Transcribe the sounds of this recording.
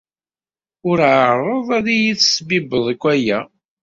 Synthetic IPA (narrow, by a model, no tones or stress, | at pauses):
ʊɾʕəɾˤəðˤæðijiθsbibəðˤəkʷːæjæ